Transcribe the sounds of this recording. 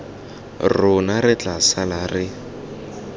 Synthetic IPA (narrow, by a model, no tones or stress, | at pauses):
rʊnaɾɪt͡ɬasalarɪ